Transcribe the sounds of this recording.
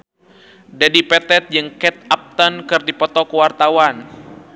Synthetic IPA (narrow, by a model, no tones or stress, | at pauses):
dadipɛt̪ɛt̪̚d͡ʒɨŋkɛt̪̚ap̚t̪ɔnkɨrdipɔt̪ɔkəwart̪awan